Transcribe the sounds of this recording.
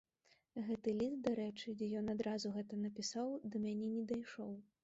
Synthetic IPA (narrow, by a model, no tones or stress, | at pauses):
ɣɛt̪ɨlʲist̪̚d̪aɾɛt͡ʂɨd͡zʲɛjɔnad̪ɾazuɣɛt̪ɐnɐpʲisawd̪ɐmʲanʲɛnʲɛd̪ajʂɔw